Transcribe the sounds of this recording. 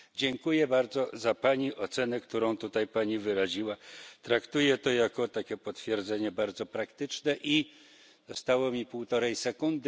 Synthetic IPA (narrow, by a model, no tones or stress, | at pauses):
d͡ʑɛŋkujɛbaɾd̪zɔzapaɲiʔɔt̪sɛnɛkt̪uɾɔ̃w̃t̪ut̪ajpaɲivɘɾaʑiwat̪ɾakt̪ujɛt̪ɔjakɔt̪akʲɛpɔt̪fʲjɛɾd̪zɛɲɛbaɾd̪zɔpɾakt̪ɘt͡ʂnɛʔi | d̪ɔst̪awɔmʲipuwt̪ɔɾɛjsɛkund̪ɘ